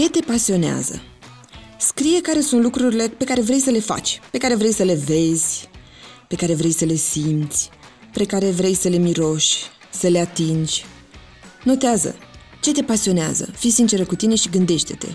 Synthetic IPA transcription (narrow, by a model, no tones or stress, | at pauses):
t͡ʃe̞t̪e̞pasio̞nea̰zə̰ | skɾije̞kaɾe̞sunt̪lukɾuɾile̞pe̞kaɾe̞vɾe̞jsəle̞fa̰t͡ʃʲpe̞kaɾe̞vɾe̞jsəle̞ve̞zʲ | pe̞kaɾe̞vɾe̞jsəle̞simt̪sʲ | pɾekaɾe̞vɾe̞jsəle̞miɾo̞ʃʲ | səle̞at̪ind͡ʒʲ | no̞t̪eazə̰ | t͡ʃe̞t̪e̞pasio̞nea̰zə̰fijsint͡ʃe̞ɾəkut̪ine̞ʃiɡɨnd̪e̞ʃt̪e̞̥t̪e̞̰